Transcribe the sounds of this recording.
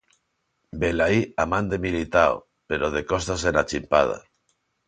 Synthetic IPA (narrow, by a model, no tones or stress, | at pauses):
belaiamãnd̪emilit̪ao̰ | peɾoð̞ekost̪asenat͡ʃimpað̞a̰